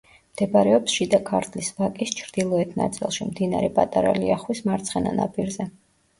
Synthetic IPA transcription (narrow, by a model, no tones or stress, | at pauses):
md̪̥ɛbɾɛɔpsʃid̪akʰaɾt̪ʰlisbakʼist͡ʃʰɾd̪̥ilˠɔɛt̪ʰna̰t̪sʼḭlˠʃimd̪ina̰ɾɛpʼat̪ʼaɾa̰liaχwismaɾt̪sʰχɛna̰napʼiɾzɛ